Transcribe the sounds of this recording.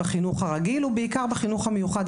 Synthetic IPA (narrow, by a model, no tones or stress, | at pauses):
aχinuχhaʁaɡilubeikaʁbaχinuχhamejuχad̪